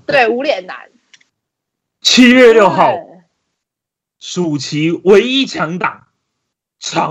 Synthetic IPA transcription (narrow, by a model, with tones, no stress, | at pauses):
t̪we˥˩ɪu˧˥ljɛ˨˩nna̰˨˧˦n | t͡ɕʰi˥ɥɛ˥˧ljo˥˧ʊxɑ˥˨ʊ | ʂu˨˩t͡ɕʰi˨˥we˨˦ɪi˥t͡ɕʰjɑ˧˥ŋt̪ɑ˨˩˦ŋ | t͡sʰɑ˨˦